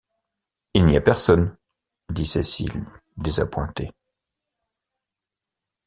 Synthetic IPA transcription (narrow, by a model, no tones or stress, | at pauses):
ilniapɛʁsɔn | d̪isesḭld̪eza̰pwɛ̰̃t̪e